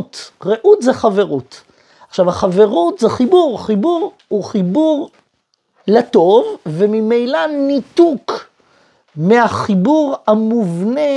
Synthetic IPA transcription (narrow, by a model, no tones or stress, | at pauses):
tʁeʔutzeχave̞ʁut | aχʃavaχave̞ʁut̪zeχibuʁχibuʁ | huχibuʁ | leto̞vːemimejlanituk | meaχibuʁamuvne